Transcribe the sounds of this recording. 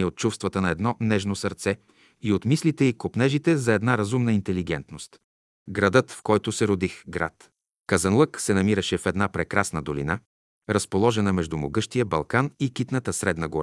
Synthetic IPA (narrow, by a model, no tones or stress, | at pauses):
ɛot̪̚t͡ʃufst̪vɐt̪ənɐɛd̪nɔnɛʒnosɐɾt̪sɛ | iot̪mislit̪ɛikopnɛʒit̪ɛzɐɛd̪naɾɐzumnəint̪ɛliɡɛnt̪nost̪ | ɡɾɐd̪ɤt̪fkɔjt̪ʊsɛɾod̪ixɡɾa̰t̪ | kɐzɐnlˠɤksɛnɐmiɾəʃɛfɛd̪napɾɛkɾasnəd̪olḭna | ɾɐspolˠɔʒɛnəmɛʒd̪umoɡɤʃt̪ijəbɐlˠkanikit̪nət̪əsɾɛd̪nəɡoɾ